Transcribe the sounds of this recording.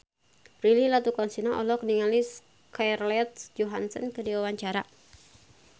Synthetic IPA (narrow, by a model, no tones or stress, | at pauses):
rililat̪ukɔnsinaʔɔlɔk̚niŋalis | karlɛt̪̚d͡ʒɔɦansɔnkɨdiwawaɲt͡ʃaɾa̰